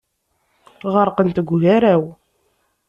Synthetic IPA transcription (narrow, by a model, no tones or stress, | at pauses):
ʁəɾqənt̪əɡʷʝaɾæw